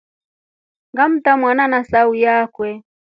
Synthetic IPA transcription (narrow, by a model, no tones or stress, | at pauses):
ŋɡam̩tamwananasaujakwɛ